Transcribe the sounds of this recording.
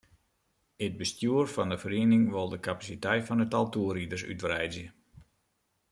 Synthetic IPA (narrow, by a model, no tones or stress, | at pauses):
əd̚bəstjuərfɔndəfəriənɪŋʋolˠdəkapasitɛjtfɔnətalˠtuəridərsy̰tʋrɛjzjə